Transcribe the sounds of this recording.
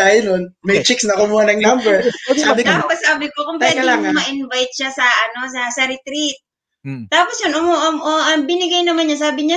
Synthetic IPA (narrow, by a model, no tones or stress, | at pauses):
aːjonon | mɐjt͡ʃɪksnɐkʊmuːhɐnɐŋnambɛɹsabɪkt̪aːposaːbɪkokʊmpɛɐlaɐmɐʔɪnvajt̪̚ʃasɐʔɐno̞sɐsɐɾɪt̪ɾit̪̚ː | aːposjonʔʊmoʔɐmʔoʔɐbɪnɪɡɐjnɐmanɲɐs̬aːbɪɲa